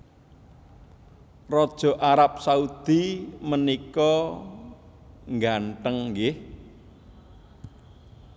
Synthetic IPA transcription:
rɔd̥ʒ̥ɔ̤ʔaɾap̚saud̪̥imənikɔ | ŋɡaɳʈəŋɡɪh

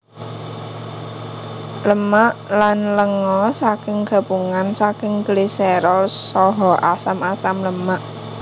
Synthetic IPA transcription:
ləmaʔlanləŋɔsakɪŋɡ̥a̤b̥uŋansakɪŋɡlisɛɾɔsɔɦɔʔasamasamləmaʔ

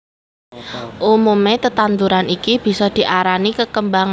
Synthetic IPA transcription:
ʔumumet̪ət̪ant̪uɾanikib̥i̤sɔd̪̥i̤ʔaɾanikəkəmbaŋ

